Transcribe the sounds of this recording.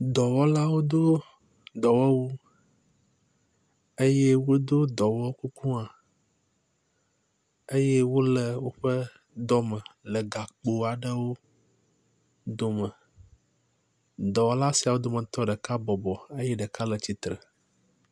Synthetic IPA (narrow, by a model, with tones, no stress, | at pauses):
d̪ɔ˨wɔ˦la˦wo˦d̪o˦ | d̪ɔ˨wɔ˦wu˦ | e˦je˦wo˦d̪o˦d̪ɔ˨wɔ˦ku˦ku˦a˨ | e˦je˦wo˦lə˨wo˦ɸə˦ | d̪ɔ˦mə̃˨lə˨ɡa˨k͡po˨a˨ɖə˦wo˦ | d̪o˦mə˨ | d̪ɔ˨wɔ˦la˦si˨a˨wo˦d̪o˦mə̃˨t̪ɔ˦ɖə˨ka˦bɔ˨bɔ˨e˦jɛ˦ɖə˨ka˦lə˨t͡ɕi˨t̪ɾə˨